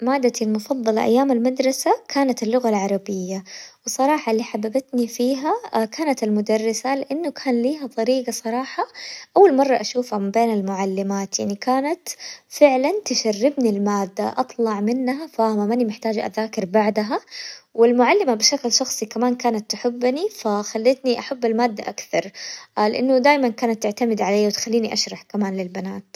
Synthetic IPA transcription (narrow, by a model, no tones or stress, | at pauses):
maːd̪ːat̪ilmʊfɑðˤːɑlʔa̰jːaːmalmad̪ɾˤɑsakʰaːnat̪ɪlːʊɣalʕɑɾˤɑbɪjːawɨsˤːɑɾˤɑːħɑɪlːiːħababat̪nifiːɦakʰaːnat̪ɪlmʊd̪ɑrˤːɪsalɪʔanːʊkʰaːnliːɦat̪ˤɑɾiːɡɑsˤɑɾˤɑːħɑʔawːalmɑrˤːɑʔaʃuːfhamɪmbeːnɪlmʊʕalːɪmaːt̪jaʕnikaːnat̪fɪʕlant̪ɪʃarːɪbnilmaːd̪ːaʔɑt̪ˤlɑʕmɪnːɦafamamanimɪħt̪aːd͡ʒʔa̰ðaːkɪɾbaʕd̪aɦawɪlmʊʕalːɪmabɪʃaklʃɑxsˤikamaːnkaːnat̪ːʊħɪbːnifaxalːɪːt̪niʔaħabːalmaːd̪ːa̰ʔakθɑ̰ɾˤlɪʔanːʊd̪aːjmankaːnat̪ːɪʕt̪amɪd̪ʕaleːjwɪt̪xalːiːniʔaʃɾˤɑħkamaːnlɪlbanaːt̪